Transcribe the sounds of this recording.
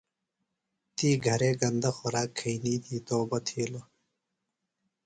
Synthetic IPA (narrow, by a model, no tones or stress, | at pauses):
t̪iːɡʱɐɾeːɡɐnd̪ɐxʊɾaːkʰːɐiniːt̪ʰiːt̪oːbɐt̪ʰeːlo